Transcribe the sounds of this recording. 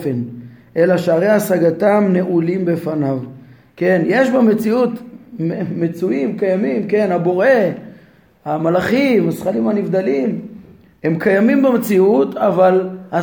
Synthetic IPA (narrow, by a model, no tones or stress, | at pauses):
fenʔe̞laʃeaʁe̞jasaɡat̪amne̞ʔulimbe̞fanav | ke̞nje̞ʃbeme̞t͡siut̪mmet͡suimkajamimke̞nhabo̞ʁe̞ | hamalaχimasχalimhanivd̪alim | he̞mkajamimbemet͡siut̪avala